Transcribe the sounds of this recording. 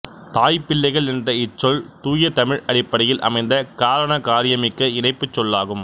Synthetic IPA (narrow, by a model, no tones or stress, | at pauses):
t̪aːjpːɪlːɐɪɣɐɭɛndrɐɪt͡ʃːɔlt̪uːjɐt̪ɐmɪɻɐɽɪpːɐɽɐjɪlʔɐ̰mɐɪnd̪ɐkaːɾɐɳɐkaːɾɪjɐmɪkːɐɪɳɐɪpːɯt͡ʃːɔlːaːɣɯm